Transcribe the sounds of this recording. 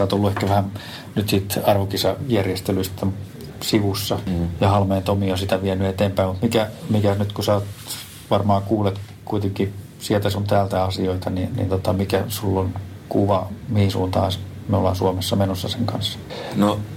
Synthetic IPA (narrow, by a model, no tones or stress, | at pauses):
sɑːt̪olːuehkæʋæhæn | nyt̪siːt̪ɑrʋokisɑjærjest̪elyist̪ːæm | siʋusːɑjɑhɑlmeːnt̪omiosit̪æʋiɛnyet̪eːmpæimut̪mikæmikæsnyt̪kusæot̪ | ʋɑrmɑːkuːlet̪ | kuit̪eŋki | siɛlt̪æsunt̪æːlt̪æɑsioit̪ɑninḭnt̪ot̪ɑmikæsulːon | kuʋɑmihinsṵːnt̪ɑːs | meolɑːnsuomesːɑmenosːɑseŋkɑnsːɑ̥ | no